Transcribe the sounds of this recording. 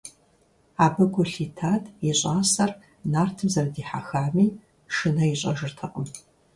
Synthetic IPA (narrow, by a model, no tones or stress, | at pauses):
aːbɐɡʷʊɬiːtʰaːdʰiɕʼaːsɐr | naːrtʰɨmzɐrdiːħa̰xaːmiː | ʂɨnɐiɕʼɐʒɨrtʰɐqʼəm